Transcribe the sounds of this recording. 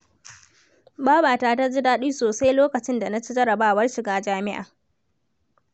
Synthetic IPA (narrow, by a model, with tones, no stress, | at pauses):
baː˦baː˨taː˨ta˦d͡ʒɪ˦daː˦ɗiː˦soː˨sa˦jloː˦kɐ˨t͡ʃɪ˦nda˨na˦t͡ʃi˦d͡ʒɐ˦ɽɐ˨baː˦˨wɐ˦rʃɪ˨ɡaː˦d͡ʒaː˦mɪ˦ʔa̰ː˨